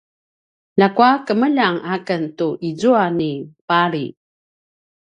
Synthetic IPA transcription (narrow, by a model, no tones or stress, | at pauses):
lakuakəməʎaŋakəntuʔizuanipaɾi